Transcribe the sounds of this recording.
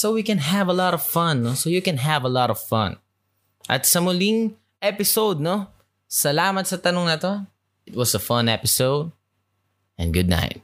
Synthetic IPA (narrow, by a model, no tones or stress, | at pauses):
sowikɛ̃nɦævəlɔɾɔv̥fʌ̃nːosoʊjɨkɛ̃nɦævəlɔɾɔv̥fʌ̰̃n | ʔɐ̰t̪sɐmʊlĩŋ | ɛpɪsowd̪̚no | sɐlaːmɐt̪sɐt̪ɐnʊ̃ŋnɐt̪o | ɪt̪̚wʌsəfʌ̃nɛpɪsoʊd̚ | ɛ̰̃nɡʊd̪̚ⁿna̰ɪt̪̚